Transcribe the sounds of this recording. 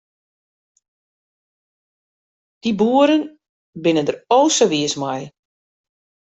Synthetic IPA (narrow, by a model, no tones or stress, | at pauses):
d̥ibuəɾən | bɪnəndərɾoːsəʋiəsmaj